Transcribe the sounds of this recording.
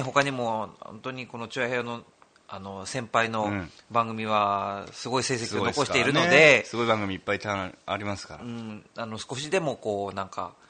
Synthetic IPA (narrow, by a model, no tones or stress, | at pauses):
ɦo̞kaɲ̟imo̞ohõ̰nt̪o̞ɲ̟iko̞no̞t͡ɕojaheono̞ | ano̞sẽ̞mpaino̞bãŋɡɯ̟mʲiβ̞asɨɡo̞ise̞sekinokoɕit̪iɾɯ̟no̞d̪e̞sɨɡo̞ibãŋɡɯ̟mʲiːpːait̪aaɾʲimasɨ̥ka̰ɾaɯ̟̃ːano̞sɨ̥ko̞ɕid̪e̞mo̞ko̞ːnãŋka̰